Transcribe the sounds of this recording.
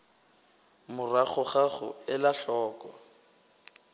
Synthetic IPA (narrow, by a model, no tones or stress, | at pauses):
mʊraɣʊχaɣʊ̰ɪlaɬɔːkɔ